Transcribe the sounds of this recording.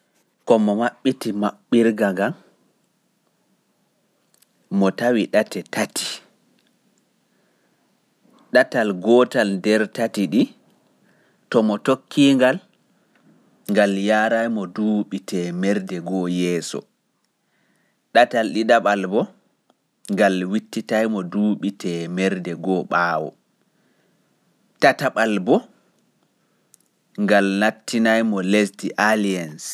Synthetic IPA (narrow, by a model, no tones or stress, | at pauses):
kɔmɔmaɓːitimaɓːiɾɡaɡam | mɔtawiɗatɛtati̥ | ɗatalɡɔtalndɛɾtatiɗi | tɔmɔtokʰːiŋɡal | ŋɡaljaːɾajmɔduːɓitʰɛmɛɾdɛɡɔjɛːsɔ̰ | ɗatalɗidaɓalbɔ | ŋɡalwitːitajmɔduːɓitɛmɛɾdɛɡɔɓaːwɔ̰ | tataɓalbɔ | ŋɡalnatːinajmɔlestiʔalians